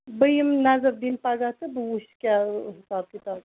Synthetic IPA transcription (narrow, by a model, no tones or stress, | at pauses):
bəjimnazɐb̚d̪inpaɡat̪ɨbɨuskʲaɦisaːb̚kit̪ab